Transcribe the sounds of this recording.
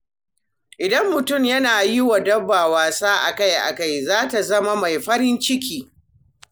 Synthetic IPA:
ʔɪ˨dɐ˦mːʊ˨tʊ˦˨mjɐ˦naː˨jɪ˦wa˨dɐ˦bːaː˨waː˨saː˦ʔa̰˨ka˦jʔa̰˨ka˦˨jzaː˦ta˨zɐ˦ma˦ma˨jɸɐ˦ɾɪ˦nt͡ʃɪ˦kʲiː˦

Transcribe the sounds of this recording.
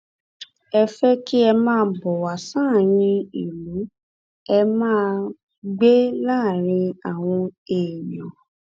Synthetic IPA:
ɛ˧fɛ˦ki˦ɛ˧mãː˦˧˦bɔ˨wa˨sãː˦˨j̃ĩ˧˦i˨lũ˨˦ | ɛ˧mãː˦ | ɡ͡be˦laː˦˨ɾ̃ĩ˧a˨w̃ɔ̃˧e˨jɔ̃˨

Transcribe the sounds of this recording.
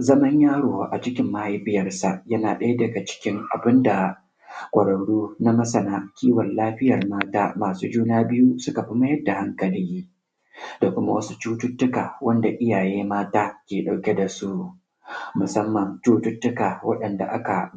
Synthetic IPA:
zɐ˦mɐ˦ɲjaː˦ɽoː˨ʔa̰˨t͡ʃɪ˦kʲɪ˦mːa˦i˦bɪ˦jɐ˦rsa˨ʔjɐ˦naː˨ɗɐ˦ja˦dɐ˨ɡa˨t͡ʃɪ̥˦kʲɪ˦ŋʔa̰˨bɪ˦nda˨ | kʷʼɐ˨ɽɐ˨ɽuː˦na˦mɐ˦sɐ˨naː˦kʲiː˦wɐ˨nlaː˦ɸɪ˦jɐ˨rmaː˦taː˦maː˨suː˦d͡ʒuː˦naː˦bɪ˦ju˦sʊ˦ka˨ɸɪ˦mɐ˦jɐ˦rda˨ha˦ŋkɐ˨liː˦ | da˨kʷʊ˦ma̰˦wɐ˦su˦t͡ʃuː˦tʊ˦tːʊ˦kaː˨wɐ˦nda˨ʔɪ˦jaː˨jeː˦maː˦taː˦kʲeː˨ɗa˨wkʲe˦da˨su˦ʔ | mʊ˨sɐ˦mːɐ˨nt͡ʃuː˦tʊ˦tːʊ˦kaː˨wɐ˦ɗɐ˨nda̰˨ʔa̰˦ka̰˨

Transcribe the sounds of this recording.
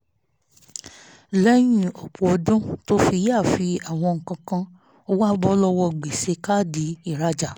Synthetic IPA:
lɛ˦j̃ĩ˦˨o˨k͡pu˨o˧dũ˦to˦fi˧˦ja˦˨fi˧a˨w̃ɔ̃˧ŋ̩˨kã˧kã˧ | o˧˦wa˦bɔ˦lɔ˧wɔ˧ɡ͡be˨se˧˦ka˦˨di˨˦i˦˨ɾa˧˦d͡ʒa˨

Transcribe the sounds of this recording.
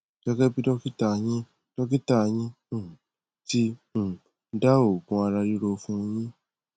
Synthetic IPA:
kɛ˦ɡɛ˦bi˦dɔ˦ki˦ta˧˨˧j̃ĩ˦ | dɔ˦ki˦ta˦˨˧j̃ĩ˦ | ũ˦˨ | tĩ˦˨˦ | da˦o˨kũ˧a˧ɾa˧ju˦ɾo˧fũ˦˧j̃ĩ˦

